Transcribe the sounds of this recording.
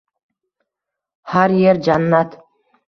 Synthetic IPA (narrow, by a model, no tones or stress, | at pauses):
haɾjeɾd͡ʒanːat̪